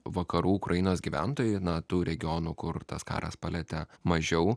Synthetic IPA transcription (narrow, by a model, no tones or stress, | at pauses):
ʋɐkɐɾuːʊkɾʔɐjɪnoːsɡʲiʋʲæ̰nt̪oːjʊnɐt̪uːɾʲɛɡʲɪonuːkʊrt̪ɐskɑ̰ːɾɐ̰spɐlʲɛt̪ʲɛmɐʒʲɛʊ